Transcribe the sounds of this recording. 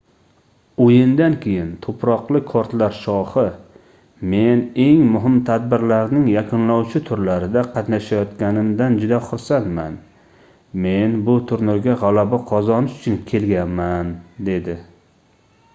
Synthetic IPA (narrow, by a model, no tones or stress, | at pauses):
ojɪnd̪ankʲʰe̞jɪnt̪ʰopʰɾɒqlˠɪkʰɒɾt̪laɾʃɒhɪ | me̞ne̞ŋmʊɦɪmt̪ʰad̪̚bɪɾlaɾnɪŋjakʰʊnlawt͡ʃʰɪt̪ʰʊɾlaɾɪd̪aqʰɑt̪naʃajɒt̪kʲanɪmd̪and͡ʒʊd̪aχʊɾsant̪man | me̞nbʊt̪ʰʊɾnʊɾɡʲaʁalabaqʰɒzɒnɪʃʊt͡ʃʰʊnkʲʰe̞lɡʲanmand̪e̞d̪ɪ